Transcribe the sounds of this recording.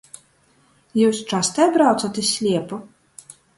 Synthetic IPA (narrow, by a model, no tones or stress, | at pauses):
jɔsʲt͡ʂast̪ɐjabɾawt̪sɐt̪ɨsʲlʲɛpɐ